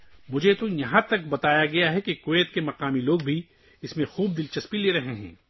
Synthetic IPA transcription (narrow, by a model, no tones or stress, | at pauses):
mʊd͡ʒʱet̪ojɐɦãt̪ɐkbɐt̪aːjaɡɐjaɦɛkekoʋeːt̪kemɐqaːmiloːɡ̚bʱi | ɪsmẽxuːb̚d̪ɪlt͡ʃɐspileːɾɐɦeɦɛ̰̃ː